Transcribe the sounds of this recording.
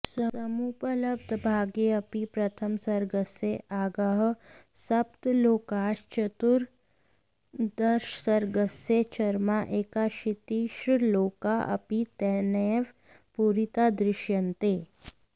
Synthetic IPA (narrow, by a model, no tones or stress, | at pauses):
səəmupələb̚d̪ʱbʱaːɡeəpipɾɐt̪ʰəmsɐɾɡəseaːɡaɦ | sɐpt̪loːkaːʃt͡ʃət̪uɾ | d̪əɾʃəsəɾɡəset͡ʃɐɾmaʔeːkaʃit̪iʃloːkaʔɐ̰pit̪ɛneʋ | puɾit̪ad̪ɾɪʃjɐnt̪e